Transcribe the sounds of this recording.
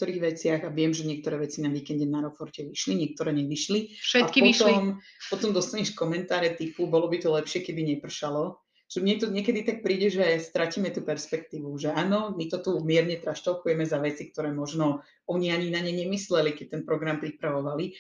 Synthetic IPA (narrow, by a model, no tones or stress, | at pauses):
k̚t̪ɔɾiːɣʋɛt͡sɪaɣaʋɪɛmʒɛɲɪɛkt̪ɔɾɛːʋɛt͡sinaʋiːkɛnɟɛnaɾɔfɔɾcɛʋiʃliɲɪɛk̚t̪ɔɾɛːɲɛʋiʃliʃɛaipɔiʃt̪ɔim | pɔt̪ɔmd̪ɔst̪aɲɛʃkɔmɛnt̪aːɾɛt̪ipubɔlɔbit̪ɔlɛpʃɪɛkɛbiɲɛpr̩ʃalɔ | ʒ̥ɛmɲɛt̪ɔɲɪɛkɛd̪it̪ak̚pɾiːɟɛʒɛst̪ɾaciːmɛt̪uːpɛɾspɛkt̪iːʋuʒɛaːnɔmit̪ɔt̪umɪɛɾɲɛt̪ɾaʃt̪ɔʊkujɛmɛzaʋɛt͡sik̚t̪ɔɾɛːmɔʒnɔ | ɔɲiaɲinaɲɛɲɛmislɛlikɛc̚t̪ɛnpɾɔɡɾampɾipɾaʋɔʋali